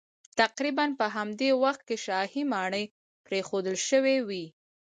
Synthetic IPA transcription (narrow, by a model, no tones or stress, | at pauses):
t̪aqɾibanpəɦamd̪ewaxt̪̚keʃɑhimɑɳəj | pɾexod̪əlʃəwewi